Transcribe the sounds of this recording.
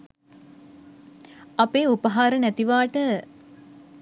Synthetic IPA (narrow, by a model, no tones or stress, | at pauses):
apeːupəɦaːɾənæt̪iʋaːʈə